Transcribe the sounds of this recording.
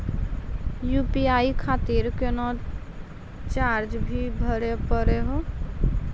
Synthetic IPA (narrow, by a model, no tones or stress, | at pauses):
jupiaikʰat̪iɾkenɔd̪ | t͡ʃaɾd͡ʒbʱibʱəɾepəɾeɦo